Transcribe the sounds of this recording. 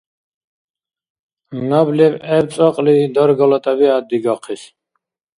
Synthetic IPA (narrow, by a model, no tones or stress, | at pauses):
nɔblibɛbt͡s̪ʼɔqʼlid̪ɔɾɡɔlɔt̪ʼɛbiad̪iɡaqʰis